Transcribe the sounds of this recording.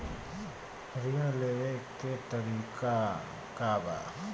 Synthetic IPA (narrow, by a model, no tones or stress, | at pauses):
ɾiəleʋekːet̪əɾiːka | kaba̰